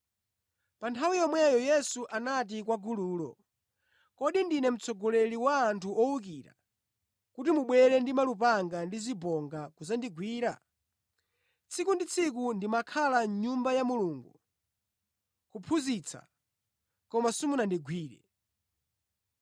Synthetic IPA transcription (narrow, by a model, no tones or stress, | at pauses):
pantʰawijɔmwɛjɔjɛsuʔanat̬ikwaɡuluːlɔ̰ | kɔɗindinɛm̩t͡sʰɔɡɔlɛɾiwaːntʰuʔɔwukiɾa̰ | kutimuɓwɛɾɛndimalupaŋɡandizibɔŋɡakuzandiɡwiːɾa̰ | t͡sʰikundit͡sʰik̬undimakʰalaɲumbajamuluːŋɡu | kupʰuzit͡sʰa̰ | kɔmasumunandiɡʱwiːɾɛ̰